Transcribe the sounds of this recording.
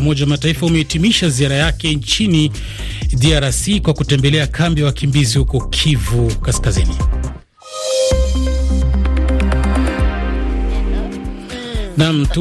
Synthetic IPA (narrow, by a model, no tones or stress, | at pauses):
mɔʄawamataifaumɛitimiʃaziaɾajakɛnt͡ʃini | diaɾasikwakutɛmbɛlɛakʰambijawakimbizihukɔkʰivukaskazini | nam̩tu